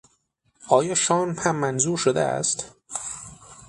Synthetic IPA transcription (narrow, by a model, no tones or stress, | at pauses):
ʔɒːjɒːʃɒːnpʰæmːænzuːɾʃod̪ḛæ̰st̪